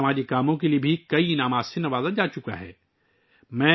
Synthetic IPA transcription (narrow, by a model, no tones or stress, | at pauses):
ɐmaːd͡ʒikaːmõk̬eliebʱikɐinaːmaːt̪senɐʋaːzad͡ʒaːt͡ʃʊka̰ɦɛ̰ː | mɛ̃ː